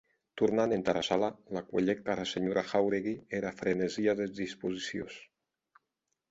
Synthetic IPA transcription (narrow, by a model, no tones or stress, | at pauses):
t̪uɾnanent̪aɾasalalakwaʎɛk̚t̪aɾaseɲoɾʔaxawɾeɣieɾafɾeneziaðezðispuzisio̰s